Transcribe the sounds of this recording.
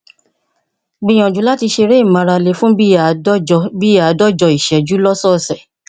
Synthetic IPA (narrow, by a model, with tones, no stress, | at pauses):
ɡ͡bĩ˧j̃ɔ̃˨d͡ʒu˨˦la˦ti˧ʃe˧ɾe˦i˦˨mã˨˧ɾa˧le˨˧˦fũ˦bi˦˨˦bi˦a˨˦dɔ˦d͡ʒɔ˧i˨ʃɛ˨˦d͡ʒu˦lɔ˦sɔ˦˨sɛ˨